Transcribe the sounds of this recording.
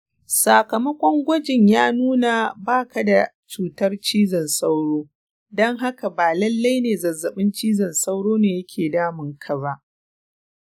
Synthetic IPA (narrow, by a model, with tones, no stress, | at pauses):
saː˨kɐ˨mɐ˦kʷɔ˦ŋɡʷɔ˦d͡ʒɪ˨ɲjaː˦nuː˦na˨baː˦ka˨da˨ | t͡ʃuː˨tɐ˦rt͡ʃiː˦zɐ˨nsa˦wɽoː˦ | dɔ˦ŋɦa˦ka˨baː˨lɐ˦lːa˦jneː˨zɐ˨zɐ˨ɓɪ˦nt͡ʃiː˦zɐ˨nsa˦wɽoː˦neː˨jɐ˦kʲʰeː˨daː˦mɪ˨ŋkʰa˨ba˦ʔ